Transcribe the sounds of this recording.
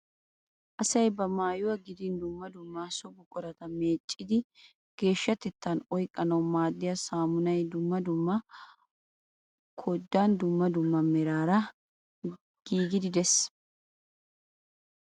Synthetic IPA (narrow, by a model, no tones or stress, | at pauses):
ʔɐsɐjbɐmaːjʊwɐɡɪd̪ɪnd̪ʊmːɐd̪ʊmːaːsɔbʊkʼɔɾɐt̪ɐmeːt͡ʃʼːɪd̪ɪ | ɡ̥e̞ːʃːɐt̪ɛt̪ːɐnɔjkʼːɐnɐwmaːd̪ːɪjɐsaːmʊnɐjd̪ʊmːɐd̪ʊmːɐ | kʰɔd̪ːaːnd̪ʊmːɐd̪ʊmːɐmɛɾaːɾɐ | ɡ̥iːɡɪd̪ɪd̪ɛs